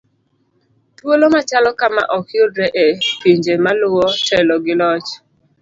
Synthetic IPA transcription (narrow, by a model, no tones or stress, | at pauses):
twolomat͡ʃalɔkama̰ʔɔkjodɾɛʔepiɲd͡ʒemalʊwɔtʰɛlɔɡɪlɔt͡ʃ